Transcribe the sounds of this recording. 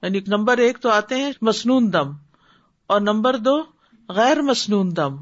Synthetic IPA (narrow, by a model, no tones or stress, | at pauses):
jaːniknɐ̃mbəɾeːkt̪oaːt̪eɦɛ̃mɐsnuːnd̪ɐm | ɔːɾnɐ̃mbəɾd̪oː | ɣɛːɾmɐsnuːnd̪ɐm